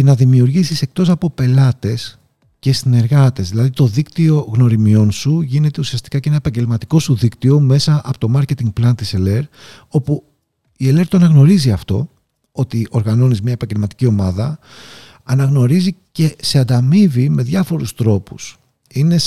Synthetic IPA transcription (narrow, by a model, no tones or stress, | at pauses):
cenɐðimiuɾʝisise̞k̚t̪o̞sɐpo̞pe̞lɐt̪e̞s | ce̞sine̞ɾɣɐt̪e̞zðilɐðit̪o̞ðikt̪io̞ɣno̞ɾimio̞nsuʝine̞t̪e̞usiɐst̪i̥kɐceenɐepɐɲɟelmɐt̪i̥ko̞suðikt̪io̞me̞sɐɐpo̞t̪o̞mɐɾce̞t̪iŋɡ̚plɐnt̪isele̞ɾ | o̞pu | ie̞le̞ɾt̪oɐnɐɣno̞ɾiziɐft̪o̞ | o̞t̪iʔo̞ɾɣɐno̞nizmɲɐepɐɲɟelmɐt̪i̥cio̞mɐðɐ | ɐnɐɣno̞ɾizice̞seɐd̪ɐmivime̞ðjɐfo̞ɾust̪ɾo̞pus | ine̞